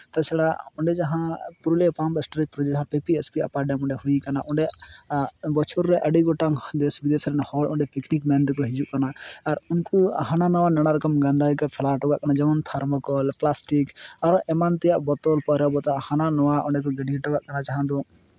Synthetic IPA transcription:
t̪ɔsɛɽaɔɳɖɛd͡ʒaɦãpuɾlepãmpɛsʈɔɾik̚pɾɔd͡ʒɛd͡ʒaɦãpepiɛspia̰paɖjamɔɳɖɛhuikanaʔɔɳɖɛ | bɔt͡ʃʰuɾːɛʔəɖiɡɔʈaŋd̪esbid̪esɾɛnhɔlɔɳɖɛpiknikmɛnd̪kɔɦid͡ʒuʔkanaːɾunkṵɦananɔwanɛɽ̃aɾɛkɔmɡand̪ajkɔpʰɛlaʈɔɡaʔkanad͡ʒɛɔnt̪ʰaɾmɔkɔlplasʈikaɾɔʔɛmant̪ɛjaʔbɔt̪ɔlpɔɾjɔbɔt̪aʔhananɔwaʔɔɳɖɛk̬ɔɡəɖiiʈɔɡaʔkanat͡ʃaɦãd̪ɔ̃

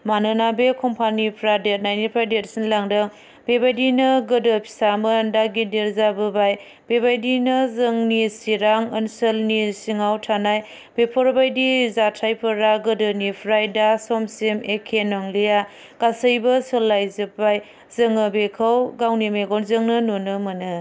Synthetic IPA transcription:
manɯnabekʰɔmpʰanipʰɾadet̚najnipʰɾajdetsinlaŋdɯŋ | bebajdinɐɡədəpʰi̥saməndaɡideɾzabɯbaj | b̥ebajdinɐzəŋnisiɾaŋənsəlnisiŋawtʰanaj | b̥epʰɔɾbajdizatʰajpʰɯɾaɡədɯnipʰɾajdasɔmsemekʰenɔŋlija | kasəjbɐsəlːajzɯbaj | zɯŋɯbekʰəwɡawnimeɡɔnzɯŋnɯnonɯmɯnɯ

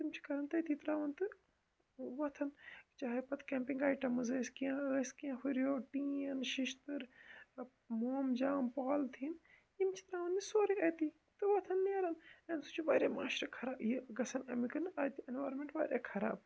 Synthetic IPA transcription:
t̪imt͡ʃʰi̥kɐɾɐnt̪ɐt̪ʰiːt̪ɾaːʋɐnt̪ɨ | ʋɐt̪ʰɐnt͡ʃaːɦepɐt̪kẽːmpiŋɡaːjʈɐmɨzəːskijãːəːskijãːhuɾjoːʈĩːɐnʃiʃt̪ɨɾ | moːmd͡ʒaːmpaːlt̪ʰin | jimt͡ʃʰi̥t̪ɾaːʋɐnd̪isoːɾiɐt̪iː | t̪ɨʋɐt̪ʰɐnːeːɾɐnɐnsut͡ʃʰiʋaːɾʲjaːmaːʃɾɐkʰɐɾaːbjeɡɐsɐnɐmikɨnɐt̪ienʋaːɾnmẽɳʈʋa̰ːɾʲja̰ːkʰɐɾa̰ːb̚

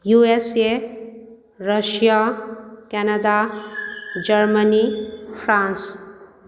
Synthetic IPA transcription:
juese | rʌʃjakɛnad̪a | d͡ʒʌɾmənipʰɾãns

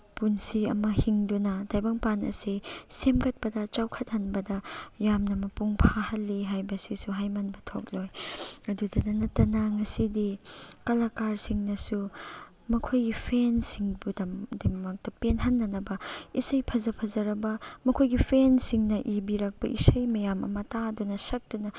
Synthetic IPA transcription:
punsiɐ̰mɐhiŋdunɐdajbɐŋpanɐ̰sisemkɐt̚pɐdɐt͡ʃawkʰɐt̚hɐnbɐdɐjamnɐmɐpuŋpʰahɐlːiɦajbɐsisuɦajmanbɐtʰo̰k̚lojɐdudɐnɐnɐtːɐnɐŋɐsidikɐlakaɾsiŋnɐsu | mɐkʰojɡipʰensiŋbudɐmdemmɐk̚tɐpenɦɐnːɐnɐbɐisɐjpʰɐzɐpʰɐzɐɾɐbɐmɐkʰojɡipʰensiŋnɐʔibiɾɐk̚pɐʔḭsɐjmɐjamʔɐ̰mɐtadunɐsɐk̚tunɐ

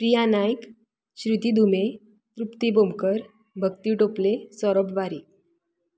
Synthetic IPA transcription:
pɾijanajk | ɕɾit̪id̪ʱume | t̪ɾupt̪ibomkəɾ | bʱəkt̪iʈoplesɔɾəpʋaɾiː

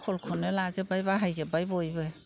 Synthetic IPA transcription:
kʰɔlkʰɔnɯlazebajbaɦajzebajbojbɯ

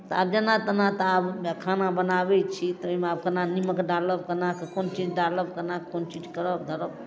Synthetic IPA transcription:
t̪ɔab̚d͡ʒənat̪ənat̪abkʰanabənabɛt͡ʃʰit̪ɔomeab̚kənaniməkɖaləp̚kəɾnakekont͡ʃid͡ʒɖaləb̚kəɾnakekont͡ʃid͡ʒkəɾəbd̪ʱəɾəb

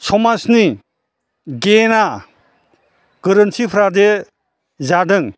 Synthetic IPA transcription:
sʰɔmasni | ɡena | ɡ̥ɯɾɯnsʰipʰɾade | zadɯŋ

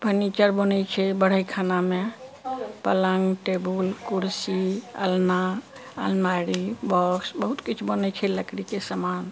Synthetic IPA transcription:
pənit͡ʃəɾbonɛjt͡ʃʰɛbəɽ̤əjkʰaname | pələŋɡʈebulkuɾsiə̰lna | ə̰lmaɾibɔksbəɦut̪kit͡ʃʰbənət͡ʃʰɛləkɾikesəman

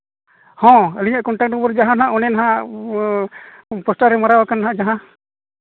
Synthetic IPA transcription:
hɔ̃əliɲaʔkɔɳʈakʈɔbɔɾd͡ʒaɦãnaɦãʔɔnɛnaɦã | pɔsʈaɾɛmaɾawakanːaɦãʔd͡ʒaɦã

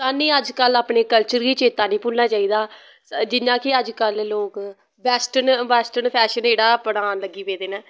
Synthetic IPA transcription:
saːnĩːəd͡ʒkəlːaːpɳeːkəlt͡ʃəɾɡiːt͡ʃeːt̪aːnĩːpʊlnaːt͡ʃaːiːd̪aː | d͡ʒɪnːãːkɪəd͡ʒkəlloːk | ʋɛːsʈənʋɛːsʈənpʰɛːʃəneːɽaːpəɽaːnləɡːiːʋeːd̪eːnaː

